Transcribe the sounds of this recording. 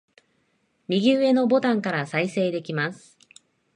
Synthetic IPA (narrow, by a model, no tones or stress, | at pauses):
mʲiɡʲiɯe̞no̞bo̞t̪ãŋkaɾasaise̞ːd̪e̞kʲimasɨ̥